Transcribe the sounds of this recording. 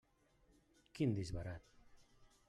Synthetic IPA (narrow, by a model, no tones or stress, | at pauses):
kind̪izβaɾat̪